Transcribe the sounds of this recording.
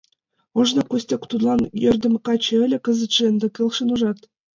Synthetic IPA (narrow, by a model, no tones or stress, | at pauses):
oʒnɤ̆kusʲtʲekt̪ud̪lˠɑnjørʲd̪ɘ̆mkɑt͡ɕĕɘ̆lʲɘ̆kə̆zə̆t̪ʃeə̆nd̪ɤ̆kʲelˠʃɤ̆nuʒɑt̪